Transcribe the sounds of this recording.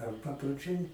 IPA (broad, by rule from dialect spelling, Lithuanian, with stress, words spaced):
ɐr pɐproːˈt͡ʃʲɛɪ